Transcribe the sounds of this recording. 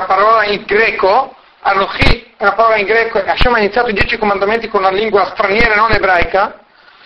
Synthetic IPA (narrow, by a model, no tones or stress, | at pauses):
apaɾɔːlaiŋɡɾɛːko | aroxilapaɾɔːlaiŋɡɾɛːkoeaʃamainit̪sjat̪oid̪jɛːt͡ʃikomand̪ament̪ikonunaliŋɡwast̪ɾanjɛːɾaenonebɾajka